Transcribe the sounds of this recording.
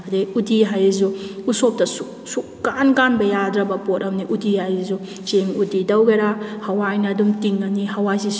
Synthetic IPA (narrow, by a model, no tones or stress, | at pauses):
ɐdeudiɦajzuusop̚tɐsu | sukkankanbɐjadɾɐbɐpot̚ɐmniʔudihajzu | t͡ʃeŋudidɐwɡeɾahɐwajnɐːdumtiŋɐnihɐwajsi